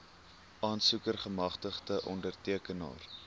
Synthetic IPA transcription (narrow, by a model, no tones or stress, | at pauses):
ʔɑːnsukərχəmɐχtəχdəʔɔndərtiəkənɑ̰ːr